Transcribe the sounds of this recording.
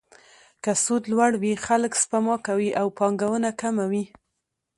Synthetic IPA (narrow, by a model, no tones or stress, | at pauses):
kasud̪lwaɽwixaləkspamɑkawiʔawpɑŋɡawənakamawi